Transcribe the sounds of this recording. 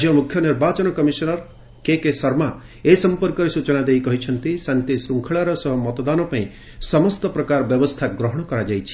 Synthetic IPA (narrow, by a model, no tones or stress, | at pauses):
d͡ʒjɔmukʰjɔniɾbat͡ʃɔnɔkɔmisɔnɔɾ | kekesɔɾma | esɔmpɔɾkɔɾesut͡ʃɔnad̪ejkɔɦit͡ʃʰɔnt̪isant̪isɾuŋkʰɔɭaɾɔsɔɦɔmɔt̪ɔd̪anɔpaĩ | sɔmɔst̪ɔpɾɔkaɾɔbjɔbɔst̪ʰaɡɾɔɦɔɽ̃ɔkɔɾad͡ʒajt͡ʃʰi̥